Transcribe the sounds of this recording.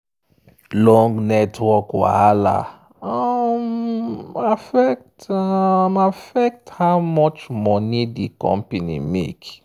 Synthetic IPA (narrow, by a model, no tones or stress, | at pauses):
lɔ̃ŋɡnɛtʰwɔkwa̰ala̰ | am | afɛk̚tamafɛk̚thaʊmɔt͡ʃmɔnidikɔ̰̃mpenḭmḛk